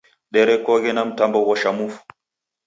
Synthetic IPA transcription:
ɗɛɾɛkɔːɡɛnamtambɔwɔʃamufu̥

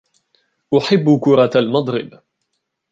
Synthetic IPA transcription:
ʔʊħɪbːkʊɾˤɑalmɑd̪ˤɾɪb

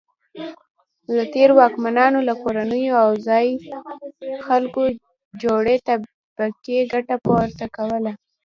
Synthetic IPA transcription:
lət̪eɾwɑkmanɑnolakoɾanəjoawzɑj | xalko | d͡ʒoɽet̪a | bakeɡaʈapowaɾt̪akawəla

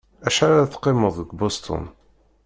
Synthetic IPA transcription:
æʃaɾaθqːɪməðˤəɡbost̪ʰɔ̰n

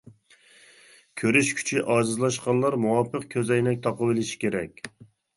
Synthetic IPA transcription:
kʲʰøɾyʃkʲʰy̥t͡ʃʰiʔɑːzɨzlˠɑʃqɑnlˠɑɾmuwɑpʰəqkʲʰøzɛjnɛk̚ʲt̪ʰɑpəbɪlɪʃi̥kʲeɾɛ̰kʲ

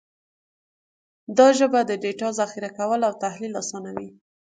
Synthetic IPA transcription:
d̪ɑʒəbad̪əɖeʈɑzaxiɾakawəlawt̪ahlilɑsɑnawi

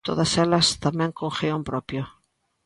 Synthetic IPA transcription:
t̪o̰ðaselast̪amẽŋkoŋxeompɾopjo

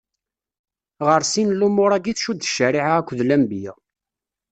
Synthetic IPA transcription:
ʁəɾsinlumʊɾˤæɡiθʃud̪əʃəɾiʕaækʷːðlæmbjɪ̰

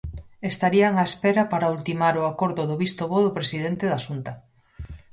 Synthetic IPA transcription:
est̪aɾiaŋaespɛɾɐpaɾault̪imaɾʊakoɾðʊðʊβist̪oβoðʊpɾesiðent̪eðaʃunt̪ɐ

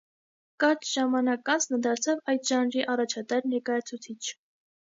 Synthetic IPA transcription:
kɑt͡ʃʒ̥ɑmɑnɑkɑnt͡sʰnəd̪ɑɾt͡sʰɑvɑjt̪ʒɑnɾiʔɑrɑt͡ʃʰɑt̪ɛɾnɛɾkɑjɑt͡sʰut͡sʰit͡ʃʰ

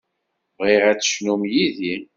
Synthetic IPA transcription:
ʁiʁæt͡sːʃnumjiði

